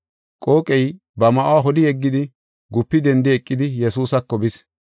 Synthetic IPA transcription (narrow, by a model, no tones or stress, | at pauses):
kʼo̞ːkʼɛj | bɐmɐʔwaɦɔlɪɛɡːɪd̪ɪ | ɡʊpːɪd̪ɛnd̪ɪɛkʼːɪd̪ɪjɛsuːsɐkːɔbɪs